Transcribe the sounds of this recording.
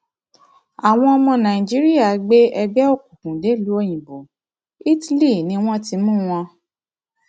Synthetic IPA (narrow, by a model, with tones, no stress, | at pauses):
a˨w̃ɔ̃˧ɔ˧mɔ̃˧nã˨ĩ˨d͡ʒi˦ɾi˦ja˦˨ɡ͡be˦ɛ˧bɛ˦o˦˨ku˨kũ˨de˨˦˨lu˨˦o˦˧˨j̃ĩ˨bo˨ | i˦ti˦li˦˨nĩ˧˦w̃ɔ̃˦ti˧mũ˦w̃ɔ̃˧